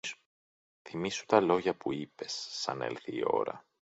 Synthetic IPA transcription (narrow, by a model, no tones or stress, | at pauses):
θimisu̥t̪ɐlo̞ʝɐpuipe̞sːɐ̰ne̞̰lθiːo̞̰ɾɐ̰